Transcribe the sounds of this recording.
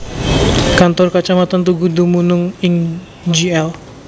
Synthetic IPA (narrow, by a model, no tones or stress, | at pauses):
kant̪ɔrkat͡ʃamat̪ant̪uɡudumunʊŋɪŋ | d͡ʒiɛl